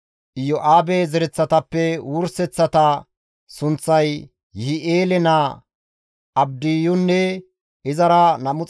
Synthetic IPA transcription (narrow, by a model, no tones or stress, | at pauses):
ʔɪjɔʔaːbezɛɾɛt͡sːɐt̪ɐpːɛwuɾsɛt͡sːɐt̪ɐ | sʊnt͡sːɐj | hɪʔeːlɛnaː | ʔɐb̚d̪ɪjʊnːɛ | ʔɪzɐɾɐnɐmʊt͡s